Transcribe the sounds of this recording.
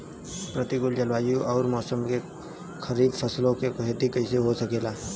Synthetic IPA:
pɾət̪ikʊld͡ʒəlʋaːjũʔɔːɾmɔːsəmke | kʰəɾiːd̪fəslõkekʊɦet̪ikəɪseɦosəkeːlaː

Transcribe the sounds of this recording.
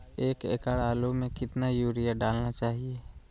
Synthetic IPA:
eːkḛːkaɽaːlumẽkɪt̪najuːɾijaɖaːlnat͡ʃaːɦieː

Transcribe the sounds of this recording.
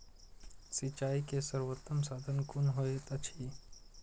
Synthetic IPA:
sit͡ʃaːikesəɾwot̪ːəmsaːd̪ʱənkʊnɦoet̪ɐt͡ʃʰi

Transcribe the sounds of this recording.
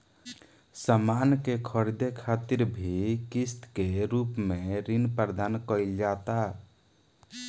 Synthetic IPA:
səmankekʰəɾid̪ekʰat̪iɾbʱikist̪keɾupmeɾinpəɾd̪ankəɪld͡ʒat̪a

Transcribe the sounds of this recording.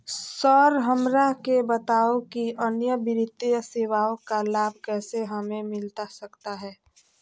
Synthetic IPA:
sɔːɾɦəmɾaɦkebət̪aːokiʔənjəbɪɾɪt̪ːjəseːʋaːõkalaːbʱkɛːseɦəmẽmɪlt̪asɐkt̪aɦɛː

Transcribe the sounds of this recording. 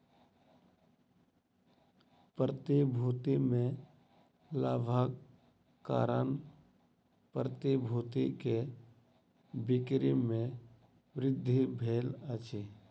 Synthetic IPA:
pɾət̪ibʱuːt̪imẽ | laːbʱaːɡ | ka̰ːɾən | pɾət̪ibʱuːt̪ike | bɪkɾimẽ | ʋɾɪd̪ʱːibʱeːlət͡ʃe

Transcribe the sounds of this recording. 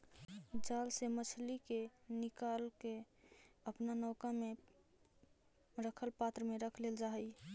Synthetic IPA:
d͡ʒalsemət͡ʃʰlikenikalke | əpnanɔʊkame | ɾəkʰəlpat̪ɾəmeɾəkʰleld͡ʒaɦəj

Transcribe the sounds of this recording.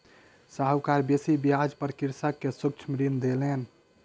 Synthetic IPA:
saɦwkaɾbesibiad͡ʒpəɾkiɾsəkːesuk̚t͡ʃʰmɾind̪elen

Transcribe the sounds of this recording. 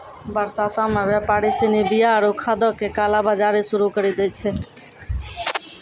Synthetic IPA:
bəɾsasamẽʋjapaːɾisinibijaəɾukʰad̪ɔkekalabad͡ʒaɾisʊɾukəɾid̪ɛt͡ʃʰɛ

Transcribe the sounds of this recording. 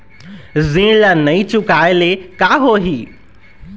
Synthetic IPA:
zĩlanɐĩt͡ɕʊkaːɪlekaːɦoːɦiː

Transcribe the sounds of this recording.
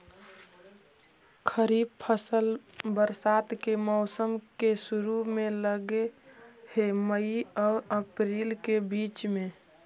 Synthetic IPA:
kʰəɾiːb̚pʰəsəlbəɾsat̪kemɔʊsəmkesuɾumẽləɡeheməiɔːɾəpɾiːlkebiːt͡ʃmẽ

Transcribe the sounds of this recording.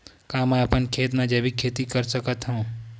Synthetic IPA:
kamãəpənkʰet̪nad͡ʒebikʰet̪ikəɾsəkət̪ɦəũ

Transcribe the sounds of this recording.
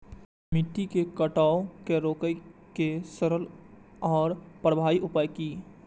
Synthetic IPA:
mɪʈ̪ːikekəʈaːokeɾoːkəjkesəɾəl | ɔːɾpɾəbʱaːiʔʊpaːjkiː

